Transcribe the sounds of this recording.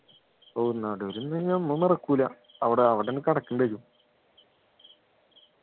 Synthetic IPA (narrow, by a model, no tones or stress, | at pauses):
oːnːɐʋɽeoɾunːɐɲaːnmunːɐrɐkːuːlɐ | ɐʋiɽeɐʋiɽenɨkɐɽɐkːɨɳɖeɾu